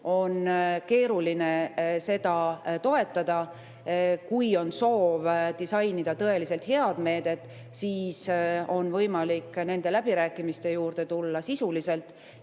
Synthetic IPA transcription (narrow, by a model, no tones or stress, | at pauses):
o̞nke̞ːɾuline̞se̞d̪̥ɑt̪o̞e̞t̪ːˑɑd̪̥ɑ | kujo̞nso̞ːvd̪̥isɑjnid̪̥ɑt̪ɤe̞lise̞lt̪he̞ɑd̪me̞ːd̪e̞t̪ːˑ | siːso̞nvɤjmɑlikːne̞nd̪̥e̞læb̥iɾæːkːˑimist̪e̞juːrd̪̥e̞t̪ulːɑsisulise̞lt̪ːˑ